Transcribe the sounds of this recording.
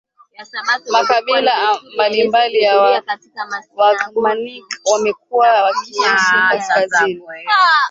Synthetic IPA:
makaɓilambalimbalijawa | wakmanikwamɛk̚uwawakiisiaskazini

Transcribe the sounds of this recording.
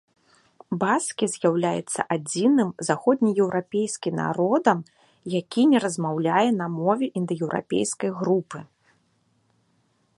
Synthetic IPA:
baskʲizʲjawlʲajɛ̰t̪sːɐ̰ʔad͡zʲinɨmzaxɔd̪ʲnʲijɛwɾapʲejskʲimna̰ɾɔd̪ɐm | jakʲinʲɛɾɐzmawlʲajɛnɐmɔvʲɛʔind̪ɨjɛwɾʔa̰pʲḛjskɐjɣɾupɨ

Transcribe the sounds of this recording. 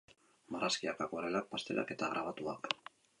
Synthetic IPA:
maraskiakakoɾelak̚past̪e̞ɾa̰ke̞t̪aɣ̞ɾʔaβat̪uak

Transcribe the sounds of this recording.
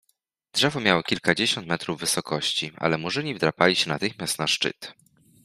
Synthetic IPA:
dʐɛvɔmʲjawɔkʲilkad͡ʑeɕɔnt̪mɛt̪ɾuvːɘsɔkɔɕt͡ɕia̰lɛmuʐɘɲivd̪ɾapalʲiɕɛnat̪ɘxmʲjast̪naʂt͡ʂɘ̰t̪

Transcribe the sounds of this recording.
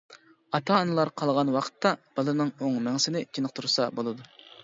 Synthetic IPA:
ɑt̪ʰɑːnɨlˠɑɾqʰɑlˠʁɑnwɑqʰə̥t̪ʰːɑb̥ɑlˠɨɾnɨŋoŋmæŋsɪnɪt͡ʃʰinəq̚t̪ʰuɾsɑbolˠɨd̪u

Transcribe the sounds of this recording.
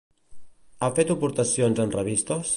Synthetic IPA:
afet̪upuɾt̪əsionzənrəβist̪os

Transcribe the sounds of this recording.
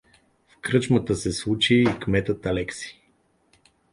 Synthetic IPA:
fkɾɤt͡ʃmət̪əsɛslˠut͡ʃiːkmɛt̪ət̪ɐlɛksi̥

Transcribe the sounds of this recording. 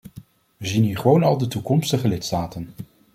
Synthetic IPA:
ʋəzinɦiːɹχəʋownɑlˠdətukɔmstəχəlɪtstaːtən

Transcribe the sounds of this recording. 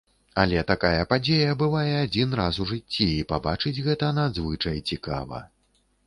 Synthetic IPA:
a̰lʲɛt̪akajɐpad͡zʲejɐbɨvajɛad͡zʲinɾasuʐɨt͡sʲːiipabat͡ʂɨd͡zʲɣɛt̪ɐnad̪zvɨt͡ʂɐjt͡sʲika̰vɐ̰

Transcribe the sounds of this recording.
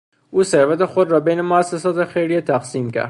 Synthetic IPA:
ʔuːseɾvæt̪exod̪ɾɒːbejnemoæsːesɒːt̪exejɾijet̪ʰæqsiːmcʰæ̰ɾd̪

